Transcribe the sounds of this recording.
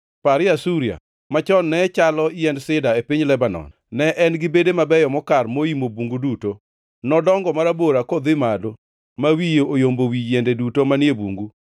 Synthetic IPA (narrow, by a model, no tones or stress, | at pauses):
paɾɪasuɾia̰ | mat͡ʃɔnːɛt͡ʃalɔɪɛndsɪdaepiɲlɛbanɔ̰n | nɛʔɛnɡɪbedemabɛjɔmɔkarmoimobuŋɡuduto | nɔdɔŋɡɔmaɾaboɾakɔd̪ɪmado | mawijoojombowijɛndedutomanjebṵŋɡu